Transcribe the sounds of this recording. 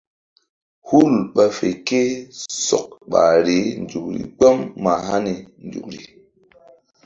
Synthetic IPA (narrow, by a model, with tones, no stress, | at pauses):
hu˦˨lɓa˧fe˨ke˦sɔ̰˨k̚ɓa̰˨ɾe˨˦n˨d͡ʒu˨k̚ɾḭ˨ɡ͡bə˦mːa˨ɦa˦ni˨n˨d͡ʒṵ˨kɾi˨